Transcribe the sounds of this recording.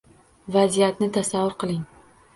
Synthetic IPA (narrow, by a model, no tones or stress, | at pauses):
vazijat̪nɪt̪ʰasavːʊɾqɨlˠɪŋ